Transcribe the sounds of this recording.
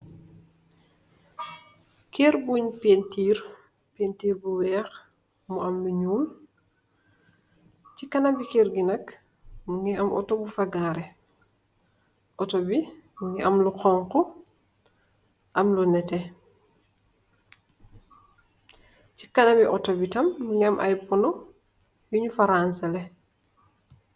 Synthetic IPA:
keːɾbuɲpentiːɾ | pentiːɾbuwɛːx | muɐmluɲuːl | cikanɐmbikɛːɾɡinɐk | ŋiɐmʔɔ̰tɔbufaɡaːɾɛ | ʔɔtobiŋɡiʔɐmluqɔŋkɔ | ʔɐmlunɛtɛ | ci̥kanabiʔɔtobitɐmːŋɡiamʔa̰jpɔnɔ | juɲufaɾansalɛ

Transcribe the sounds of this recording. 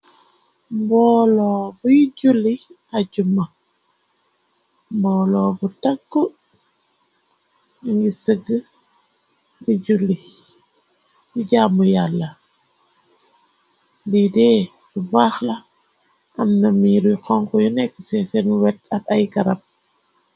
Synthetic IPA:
mbɔːlɔːbujiɟulːi | aɟuma | mbɔːlɔːbutakːu | iŋɡisəɡə | biɟulːi | jiɟaːmujalːɐ | didɛː | dubaːxlɐ | ʔɐmnɐmiɾuxɔŋkɔjunɛkːəsɛsɛnuwɛt̚ɐtajɡɐɾɐp̚

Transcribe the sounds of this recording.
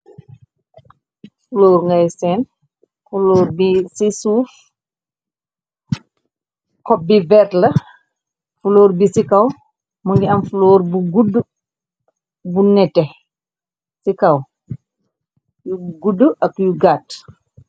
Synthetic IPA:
fuloːɾŋɡajsɛːn | fulɔːɾbisisuːf | kɔbːivɛtlɐ | fuloːɾbisikaw | muŋɡiɐmfuloːɾbuɡudːə | bunɛtːɛ | sikaw | juɡudːəʔɐkjuɡaːt

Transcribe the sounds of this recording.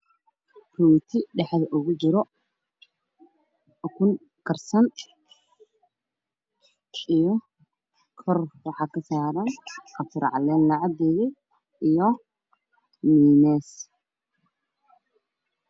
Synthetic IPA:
puːt̪ʰɪɖɛħðɐʔʊɣʊt͡ʃɪɾɔ | ɔkʰʊn | kʰɐrsɐn | ijɔ | kʰɔrwɑħɑːkʰɐsaːɾɐnɐfɪɾ̰ʕɑ̰lɛːnlɑʕɑd̪ɛːɣɪ | ijɔ | miːnɛːs

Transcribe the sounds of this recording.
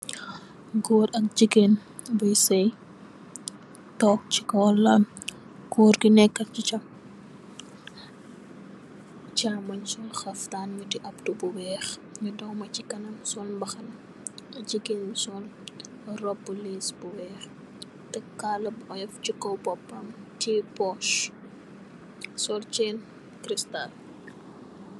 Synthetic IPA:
ɡoːtɐk̚d͡ʒikːen | bujsɐj | tɔːk̚t͡ʃi̥kɔlːɐn | kuːɾkinɛkːɐcit͡ʃɐm | t͡ʃamɐɲsɔnxɐftaːnɲutiʔɐptubuwɛːxɲudɔwmɐcikɐnɐmsɔlbɐxɐn | ɟiɡelisɔl | rɔbːuliːsbuwɛːx | tɛkːaːlɐbɔjɛfcukɔwpɔpːɐmtipɔʃ | sɔlt͡ʃɛn | kɾistal

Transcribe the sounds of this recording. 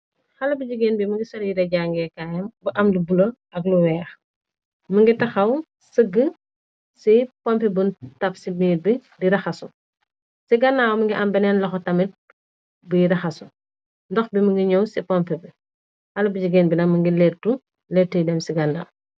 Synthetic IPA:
xɐlɐbud͡ʒuɡɛːnbimɐŋɡisɔljiɾɐɟaŋɡɛkajɐmbɐʔɐmlibulo | ɐk̚luwɛːx | mɐŋɡitɐxɐw | səɡːə | sipɔmpɛbuntɐpsiminit̚bidiɾɐxɐsu | siɡɐnːaːwmɐŋɡiʔɐmbɛnɛnlɐxɔtɐmit̚ | bujiɾɐxɐsu | ndɔxbimɐŋɡiɲɔwsipɔmpɛbi | xɐlɐbud͡ʒiɡɛːnbinɐkmɐŋɡilɛrtu | lɛtːujdɛmsiɡɐnːa̰w

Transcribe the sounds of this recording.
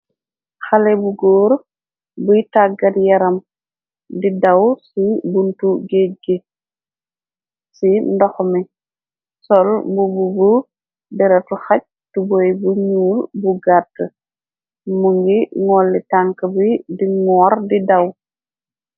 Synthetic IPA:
xɐlɛbuɡoːɾ | bujtaɡɐtjɐɾɐm | didɐwsibuntuɡeɡe | sindɔxmi | sɔlmbububu | bɛɾɐtuxɐc̚ | tubɔjbuɲuːlbuɡatːə | muŋɡiŋɔlːitaŋkɐbidiŋɔːrdidɐw

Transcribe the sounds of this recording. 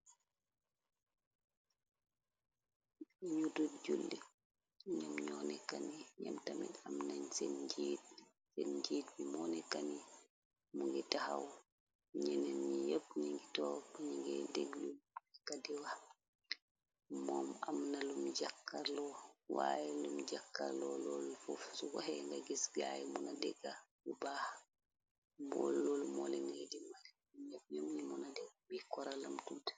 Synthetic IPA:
ɲududd͡ʒulːɛ | ɲamɲɔnɛkaniɲamtamɛ̰ɗamnaɲsend͡ʒit̚ | senɲd͡ʒiːtmimɔnɛkani | muŋɡɛtahaw | ɲɛnɛnːijep̚ɲiŋɡitɔɲiŋɡɛdeɡlunakadiwa | mɔːmamnalumd͡ʒakːaɾlɔwajɛlumd͡ʒakːa̰ɾlɔlɔlfofsuwaɦɛŋɡaɡɛsɡa̰jɛmunadɛɡabubaːha | mɔ̰llɔlmɔlɛŋɡadimaɾi | ɲap̚ɲamɲimunadɛɡbikɔɾalamtut

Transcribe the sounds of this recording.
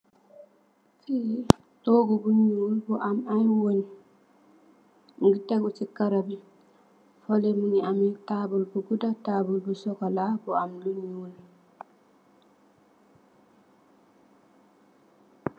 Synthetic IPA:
fi | ɗoɡɔɡuɲlbɔʔamamwoni | ŋɡitːaɡɔt͡ʃikːaɾabi | fɔlɛmuniamɛtabɔlbuɡudataːbulbɔsɔkɔlabɔamluɲul

